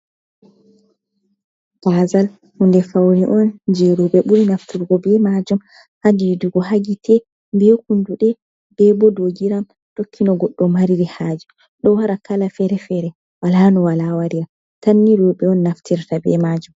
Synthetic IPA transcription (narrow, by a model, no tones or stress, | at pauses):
b̥azal | hundɛfawniʔɔnd͡ʒɛɾuɓɛɓuɾinaftiɾɡɔbɛmad͡ʒum | haɡiduɡɔɦaɡitʰɛ | mbijɔkunduɗɛ | b̥ɛbɔdoɡiɾam | tokʰːinɔɡɔɗːɔmaɾiɾihaːd͡ʒi | ɗɔwaɾakalafɛɾɛfɛɾɛ | walanɔwalawaɾiɾam | tanːiɾuɓɛɔnːaftiɾtabɛ̰mad͡ʒum